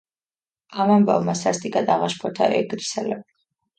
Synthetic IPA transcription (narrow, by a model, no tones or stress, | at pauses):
amamba̰vmasast̪ʼikʼad̪aʁaʃpʰɔt̪ʰa̰ʔɛɡɾisɛlɛb